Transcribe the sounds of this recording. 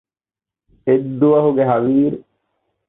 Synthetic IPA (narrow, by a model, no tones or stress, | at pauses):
ed̪ːuʋɐɦuɡeɦɐʋiːɾu